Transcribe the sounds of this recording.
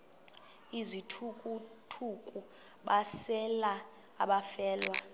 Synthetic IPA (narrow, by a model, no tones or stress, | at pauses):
izitʰukʼu | tʰukʼu | ɓasɛla | a̰ɓafɛːlwa